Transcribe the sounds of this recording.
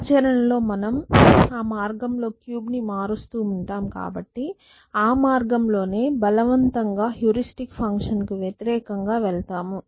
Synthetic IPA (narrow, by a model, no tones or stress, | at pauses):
t͡ʃɐɾɐnɐlo̞ːmɐnɐmaːmaːɾɡɐmlo̞ːkjuːbnimaːɾust̪uːuɳʈaːmka̰ːbɐʈːi | aːmaːɾɡɐmlo̞ːne̞ːbɐlɐʋɐnt̪ɐŋɡaːɦjuːɾisʈikpʰɐŋkʂɐnkuʋjɐt̪iɾɛːkɐŋɡaːʋɛɭt̪aːmu